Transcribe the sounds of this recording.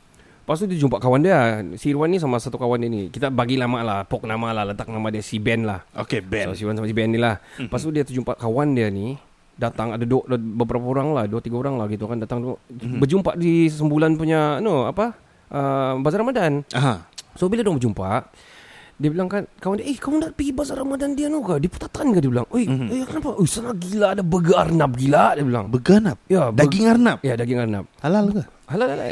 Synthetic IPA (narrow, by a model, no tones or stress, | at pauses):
pas̬t̪udit̪d͡ʒumpaʔkawandiasiɾuwanːis̬amasat̪ukawandianikit̪abaɡilahmaʔlahpɔk̚namalahlət̪ak̚namadiasibɛnlahokebsosiwansamasibɛnːilahpast̪udiat̪əd͡ʒumpa̰ʔkawandiani | dat̪aŋadadʔbəpəɾapaoɾaŋlahduat̪iɡaoɾaŋlahɡit̪ukandat̪aŋdbəd͡ʒumpaʔdisəmbulanpuɲanoapa | ʔəbazaɾamadanaɦasobiladuaŋbəd͡ʒumpa̰ʔ | diəbilaŋkankamandiaʔehkamuŋdapiɡibasaɾamadandianukadipu̥t̪at̪ankadibila̰ŋojkənapaʔojsanaʔɡilaʔdabəɡaarnap̚ɡilaʔdiəbila̰ŋbəɡanap̚jadaɡɪŋarnap̚ijadaɡɪŋarna̰p̚halalka | halalala̰